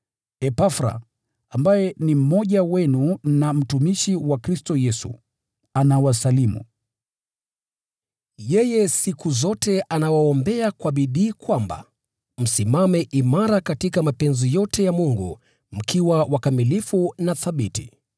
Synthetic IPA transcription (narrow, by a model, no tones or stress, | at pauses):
ɛpafɾa̰ | ambajɛnim̩mɔʄawɛnunam̩tumiʃiwakɾistɔjɛsṵ | anawasalimṵ | jɛjɛsikuzɔtɛʔanawaɔmbɛakwaɓiɗiːkwamba̰ | m̩simamɛʔimaɾakatikamapɛnzɔjɔtɛjamuŋɡṵ | m̩kʰiwawakamilifunaθaɓitḭ